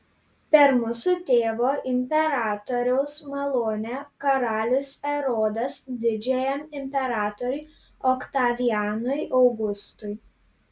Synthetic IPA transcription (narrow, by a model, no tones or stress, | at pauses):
pʲɛɾmʊsʊt̪ʲeːʋoːʔɪmʲpʲɛɾɑːt̪oːɾʲɛʊsmɐlˠoːnʲɛkɐɾɑːlʲʊsɛɾoːd̪ɐsd̪ʲɪd͡ʒʲɛjɛmɪmʲpʲɛɾɑːt̪oɾʲʊɪ | ɔkt̪ɑːʋʲiæːnʊjʔɐʊɡʊst̪ʊj